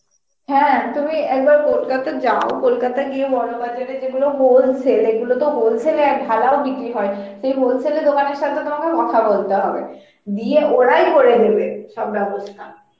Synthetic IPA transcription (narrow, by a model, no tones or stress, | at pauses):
hɛ̃t̪umiɛk̚baɾkolkat̪ad͡ʑaokolkat̪aɡiebɔnobad͡ʑaɾed͡ʑeɡuloɦolsʰeleɡulot̪oɦolsʰeleɛk̚bʱalaobikɾiɦɔeʃejɦolsʰeled̪okaneɾʃat̪ʰet̪omakekɔt̪ʰabolt̪eɦɔbḛ | d̪ieʔoɾajkoɽed̪ebeʃɔbbɛbost̪ʰan